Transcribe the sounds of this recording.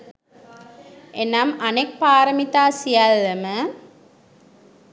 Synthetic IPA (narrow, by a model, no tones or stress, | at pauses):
ʔenamanek̚paːɾəmit̪aːsijalːəmə